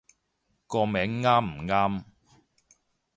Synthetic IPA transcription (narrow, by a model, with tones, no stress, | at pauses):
kɔː˧mɛː˨˥ŋːaː˥m̩˨˩ŋaː˥m